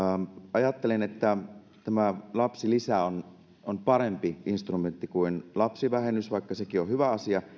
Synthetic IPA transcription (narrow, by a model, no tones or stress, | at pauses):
ʔɑjɑt̪ːelenet̪ːæ | t̪æmælɑpsilisæon | onpɑɾempiʔinst̪rument̪ːikuinlɑpsiʋæhenysʋɑˑikːɑsekiohyʋæɑsiɑ